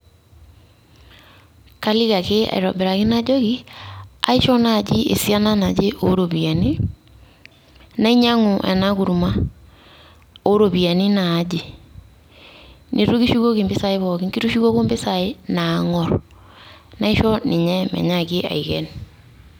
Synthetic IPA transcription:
ka˦li˦ka˨ke˦a̰˨i˨ɾɔ̰˨bɪ˨ɾa˨ki˦na˦d͡ʒo˦ki˦a̰˨˦i˦ʃɔ˦na˦˨d͡ʒi˦ḛ˨sja˦na˦na˨d͡ʒe˦ʔo˦ɾo˨bi˨a˨ni˦ | na˦i˦ɲa˦ŋu˨ʔɛ̰˨na˦ku˨ɾu˨ma˦ | o˦ɾo˨bi˨a˨ni˦na˨˦d͡ʒi˦ | nʔi˨ɾu˦ki˦ʃu˦ɣo˦ki˨mbɪ˦sa˨i˦βɔ˨ki˦ŋki˦ɾu˦ʃu˦ko˦ko˦mbɪ˦sa˨ɪ˦na˨ŋɔ˨ɾ | na˦i˦ʃɔ˦nɪ˨ɲɛ˦mɛ̰˨ɲa˦kɪ˦a̰˨i˨kɛ̰˦n

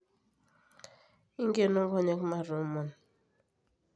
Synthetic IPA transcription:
i˦ŋɡe˦˨nɔ˦ŋ˦ɡɔ˦ɲɛ˦kma˦˨ɾu˨˦mɔ˨n

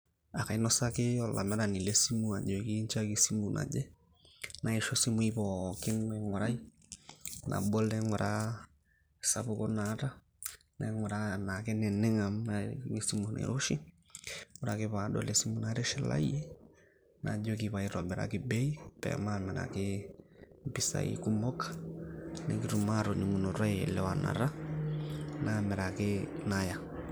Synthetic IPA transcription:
a˨ka˨i˦nɔ˦sa˦kɪ˦ɔ˨la˨mɛ˦ɾa˨ni˨le˦si˦mu˦a˨d͡ʒo˨ki˦nt͡ʃa˦ki˦si˦mu˨nʔa̰˨d͡ʒɛ˦ | na˨ɪ˨ʃo˦si˦mu˦i˦pɔ˨kɪ˦mɛ˨ŋʊ˨ɾa˦i˦ | nʔa̰˨bo˦lɛ˦ŋʊ˨ɾa˦˨ | sa˦pʊ˦ko˦na˨˦ta˦ | nɛ˨ŋʊ˨ɾa˦na˨kɪ˦nɛ˨nɪ˦ŋa˨m˦ŋi˦si˦mu˨nḛ˨ɾo˦ʃi˦ | ŋu˨ɾa˨ke˦βa˨ɗɔ˦le˨si˦mu˦na˦ɾɛ˦ʃɛ˨la̰˦i˦ɛ˦ | na̰˨d͡ʒɔ˦ki˨βa˨i˦ɾa˨bɛ˨ɾa̰˨ki˦bɛ˦i˦pɛ̰˨ma˦˨mɛ˨ɾa̰˨ke˦m˦pi˦sa̰˨ḭ˦ku˦mɔ˦kḁ˦nɛ̰˦ki˦ɾu˨ma˦˨ɾɔ˨ɲi˨ŋu˨nɔ˨ɾwa˦ɛ˨lɛ˦wa˨na̰˨ɾa˦ | na˦˨mɛ˨ɾa˨ke˦na˦ja˨

